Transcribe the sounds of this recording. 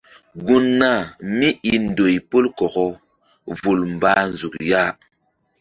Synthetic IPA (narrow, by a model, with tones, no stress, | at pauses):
ɡu˦nːa˦˨mi˦i˦n˦do˨jpo˦lkɔ˨ɡɔ˦ | vu˨lm˨baː˨˦nzu˨k̚ja˦